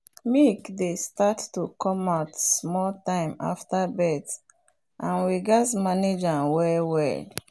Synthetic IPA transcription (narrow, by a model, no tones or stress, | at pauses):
mikdestatːukɔ̃maʊtsmɔltãɪ̃ma̰ftabɛt | ʔãnwiɡatmaned͡ʒãnwɛwɛ̰